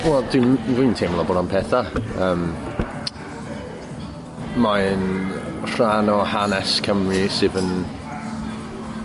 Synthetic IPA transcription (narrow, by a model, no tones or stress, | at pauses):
wɛlˠd̥winvintʰemlˠɔboːdanpʰɛθaəːm | manr̥anɔhanɛskʰəmrɪsɪvən